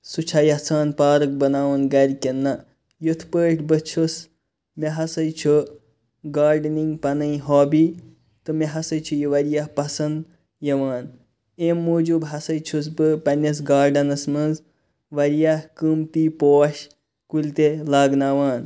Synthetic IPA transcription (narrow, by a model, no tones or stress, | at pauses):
sut͡ʃʰajɐt͡sʰaːnpaːɾɨk̚bɐnaːʋɐnɡɐɾʲkʲenːɐ | jut̪ʰpəːʈʰbɨt͡ʃʰus | meɦɐsɐjt͡ʃʰu | ɡaːɾɖniŋɡpɐnɐĩɦoːbiː | t̪ɨmeɦɐsɐjt͡ʃʰujiʋɐɾjahpɐsɐnd̪ | jɐʋaːn | eːmːoːd͡ʒubɦɐsɐjt͡ʃʰus̬bɨpɐnʲɐs̬ɡaːɾɖɐnɐsmɐnz | ʋɐɾijahkɨmt̪iːpoːʃ | kulʲt̪elaːɡnaːʋaːn